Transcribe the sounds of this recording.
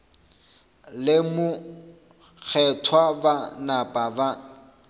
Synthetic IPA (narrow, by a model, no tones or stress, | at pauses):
lɪmʊ | k͡xʰɛtʰwabanapʼaba